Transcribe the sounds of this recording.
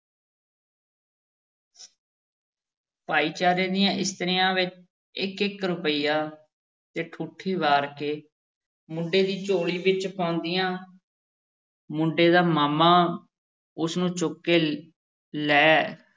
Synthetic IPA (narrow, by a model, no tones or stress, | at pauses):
paːiːt͡ʃaːɾẽːd̪ijãːʔɪst̪əɾjãːʋɪt͡ʃ | ɪkɪkɾʊpəiːaː | t̪eːʈʰuːʈʰiːʋaːɾkeː | mʊ̃ɳɖeːd̪iːt͡ʃoːɽiːʋɪt͡ʃpãʊnd̪ɪːjãː | mʊ̃ɳɖeːd̪aːmaːmaː | ʊsnũːt͡ʃʊkːeː | lɛː